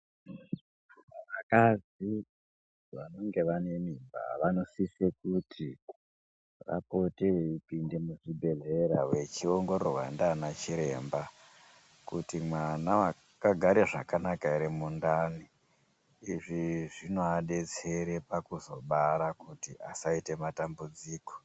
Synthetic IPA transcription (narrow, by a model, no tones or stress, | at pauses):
ʋakad͡zi | ʋano̞ŋɡe̞ʋane̞mimba̰ʋano̞sisekutʰi | ra̰po̞teipinde̞muʐibʱe̞ɮe̞ɾawe̞t͡ʃioŋɡo̞ɾoɦwa̰ndanat͡ʃiɾe̞ːmba | kutimwanaa | kaɡʱaɾeʐakanakaiɾemundani | iʐiʐino̞aɗe̞t͡se̞ɾe̞pakuzo̞̰ɓaɾakutiʔasaite̞matambud͡ziːko̥